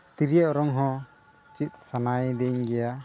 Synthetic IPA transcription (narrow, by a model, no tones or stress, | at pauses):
t̪iɾijaʔɾɔŋɦɔ̃ | t͡ʃit̪̚ˀsanajd̪ɛɲɡɛja